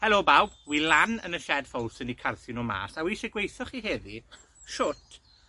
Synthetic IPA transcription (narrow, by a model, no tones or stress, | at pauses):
hɛloːbawbwilanə̰nəʃɛd̥fɔwlˠsənikʰarθʊnɔma̰ːsawiːʃɛɡwejθɔχiɦeði | ʃʊtʰ